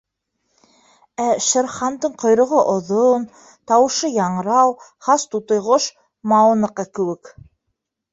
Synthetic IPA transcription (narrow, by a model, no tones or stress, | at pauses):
æʃɘ̆ɾχɑnd̪ɤɴqŏjɾŏʁoʔŏðon | t̪ɑwɤ̆ʃɤjɑɴɾɑwχɑst̪ut̪ŏjʁoʃ | mɑwɤ̆nɤ̆qɑkɘ̆wɘ̆k